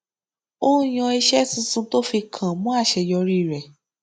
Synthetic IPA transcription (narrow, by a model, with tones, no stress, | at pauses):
õ˦j̃ã˧i˧ʃɛ˦sĩ˧˦sũ˧˦to˦fi˧kʰã˨mũ˦a˦˨ʃɛ˧jɔ˧ɾi˦˨ɾɛ˨